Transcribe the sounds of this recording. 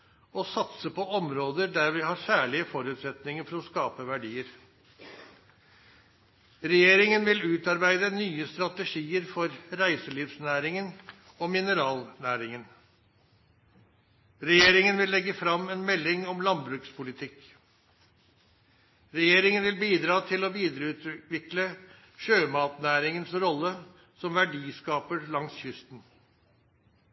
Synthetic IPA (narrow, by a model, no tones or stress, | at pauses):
ɔsɑt̪səpʰɔɔmɾoːd̪əɖæɾʋɪhɑːɾsæːɭɪəfɔɾʉːt̪sɛt̪nɪŋəɾfɔɾɔskɑːpəʋæɖiːəɾ | ɾɛjeːɾɪŋənʋɪlʉːt̪ɑɾbæɪd̪ənyːəst̪ɾɑt̪əʂiːəɾfɔɾɾæɪsəɭiːfsnæːɾɪŋən | omɪnəɾɑːlnæːɾɪŋən | ɾɛjeːɾɪŋənʋɪlːɛɡːəfɾɑmeːnmɛlːɪŋɔmlɑnbɾʉːkspʰʊlɪt̪ʰɪk | ɾɛjeːɾɪŋənʋɪlbiːd̪ɾɑːt̪ʰɪloːʋiːd̪əɾəʉːt̪ʋɪklə | ʂøːmɑːt̪næːɾɪŋənsɾɔlːə | sɔmʋæɖiːskɑːpəɾlɑŋsçʏst̪n̩